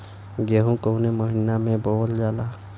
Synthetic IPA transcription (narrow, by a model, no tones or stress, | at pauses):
ɡeɦũkəʊneməɦɪnamẽboːld͡ʒaːla